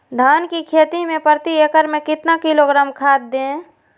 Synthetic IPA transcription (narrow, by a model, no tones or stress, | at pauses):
d̪ʱaːnkikʰeːt̪imẽpəɾt̪ieːkəɾmẽkɪt̪nakɪloɡɾaːmkʰaːd̪̚d̪ẽ